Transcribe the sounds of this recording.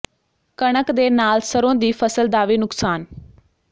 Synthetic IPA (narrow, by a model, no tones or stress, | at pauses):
kəɳəkd̪eːnaːlsəɾõːd̪iːpʰəsəld̪aːʋiːnʊksaːn